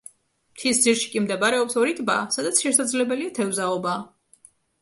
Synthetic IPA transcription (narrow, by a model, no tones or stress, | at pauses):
mt̪ʰisd̪ziɾʃi̥kʼimd̪ɛbaɾɛɔpsɔɾit̪ʼba̰ːsad̪at̪sʰʃɛsad̪zlɛbɛliat̪ʰɛvzaɔbaː